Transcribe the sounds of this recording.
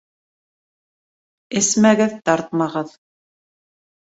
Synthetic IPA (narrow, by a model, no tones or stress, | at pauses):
ɘ̆smæɡɘðt̪ɑɾt̪̚mɑʁɤð